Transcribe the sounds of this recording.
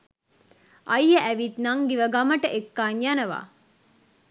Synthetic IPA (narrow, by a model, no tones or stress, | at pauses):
ʔɐjjəʔæʋit̪naŋɡiʋəɡaməʈəʔekːaːɲjanəʋa̰